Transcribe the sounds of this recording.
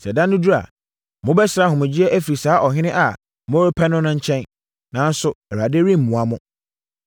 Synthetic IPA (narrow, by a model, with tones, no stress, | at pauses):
sɛ˨dã˦nːʊ̃˦du˦ɾa̰˨ | mʊ̃˦bɛ˦sɾa˦ɦʊ̃˨mʊ̃˨d͡ʑɪ˦ɛ˦ʔæ˦fi˨ɾi˨saː˨˦ʔɔ˨ɦɪ̃˦nɪ̃˦ʔa˨ | m˦õ˦ɾɪ˦pʰɛ˦nʊ̃˦nʊ̃˦ɲ̩˦t͡ɕʰɛ̃˦n | nã˨˦n̩˦sʊ˨ɛ˨ɾa˨de˦ɾĩ˦m̩˨mũ˨a˨mʊ̃˦